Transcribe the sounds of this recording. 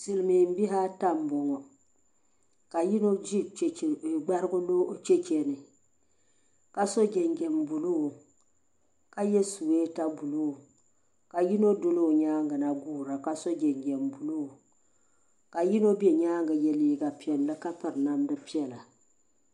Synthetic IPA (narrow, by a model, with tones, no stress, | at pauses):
sɨ˨lɨ˨mi˨m̩˦bi˦ɦa˦ta˦m˨bɔ˨ŋɔ˨ | ka˨ji˦no˦d͡ʒi˦˨ɡ͡ba˦ɾɨ˦ɡʊ˦lo˦t͡ʃɛ˦t͡ʃɛ˨nɨ˨ | ka˨sɔ˦d͡ʒɛ˨ŋɡɛ˨m˨bu˨lu˦o˨ | ka˦jɛ˦su˨weː˦ta˦bu˨lo˦o˨ | ka˨ji˦no˦do˦lo˦˨ɲaː˦ŋ˦ɡa˨na˨ɡuː˦˨ɾa˨ka˦sɔ˦d͡ʒɛ˨ŋɡɛ˨m˨bu˨lo˦o˨ | ka˨ji˦no˦bɛ˨ɲaː˦ŋɡa˨jɛ˦liː˦ɡa˨pi˦ɛ˨llɨ˦ka˦pɨ˨ɾna˦mdɨ˦pi˦ɛ˨la˨